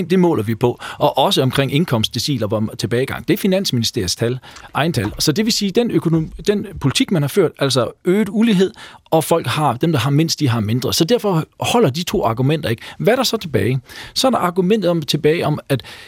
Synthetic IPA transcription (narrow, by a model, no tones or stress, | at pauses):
ŋd̥e̝mɔ̰̽ːlɐʋipʰɒ̽ʔɒ̽ʔɒ̽s̬əɒ̽mkʰʁeŋ̰e̝ŋnkʰɒ̽msdd̥esḭːlɐʋt͡sʰe̝b̥ɛːɪɡ̥ɑ̈ŋ̰d̥e̝æɐfinæn̰sminisd̥e̝ɐ̰st͡sʰælɑ̈ɪn̩t͡sʰælsɒ̽d̥e̝ʋe̝siːd̥enøkʰo̝nod̥enpʰo̝lit͡sʰiɡ̥̚mænhɑ̈føɐ̰d̥æl̰sɒøːd̥uliɦe̝ð̞̰ˠɒ̽fɒ̽l̰ɡ̥hɑ̈d̥emd̥ɑ̈ɦɑ̈men̰sd̥iɦɑ̈me̝nd̥ʁɐsɒ̽d̥æɐ̰fɒ̽hɒ̽l̰ɐd̥it͡sʰo̝̰ːɑ̈ɡ̥umen̰d̥ɐe̝ɡ̥ʋæɾɑ̈sɒ̽t͡sʰe̝b̥ɛːɪsɒ̽ɐɾ̥ɑ̈ʔɑ̈ɡ̥umen̰d̥ð̩ˠɒ̽mt͡sʰe̝b̥ɛːɪɒ̽mæd̥